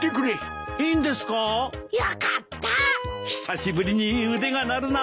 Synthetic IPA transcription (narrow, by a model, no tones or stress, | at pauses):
kekɯɾe | ĩnd̪esɨ̥kajakat̪ːaçi̥saɕibɯɾʲiɲiɯd̪eɡanaɾɯna